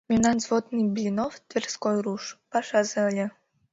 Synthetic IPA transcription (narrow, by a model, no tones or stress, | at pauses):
mʲinɑnzvod̪nɨbʲlʲinoft̪vʲerskojruʃpɑʃɑzɤəlʲe